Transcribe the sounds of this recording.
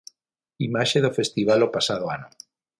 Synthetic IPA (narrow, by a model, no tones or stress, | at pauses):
imaʃeðofest̪iβalopasaðoano